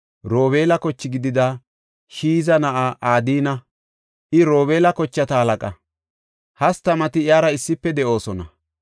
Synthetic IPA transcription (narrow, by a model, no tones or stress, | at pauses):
ɾo̞ːβe̞ːlɐkɔt͡ʃːɪɡɪd̪ɪd̪ɐ | ʃiːzɐnɐʔaʔaːd̪iːnɐ | ʔɪɾo̞ːβe̞ːlɐkɔt͡ʃːɐt̪ɐhɐlɐkʼɐ | hɐst̪ɐmɐt̪ɪɪjaːɾɐɪsːɪpːɛd̪ɛʔo̞ːsɔnɐ̰